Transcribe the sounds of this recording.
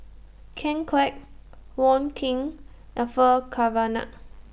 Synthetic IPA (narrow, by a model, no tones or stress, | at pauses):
kʰɛ̃ŋkʰwɛk̚wɔ̃nkʰĩŋ | əfəkʰavana̰ʔ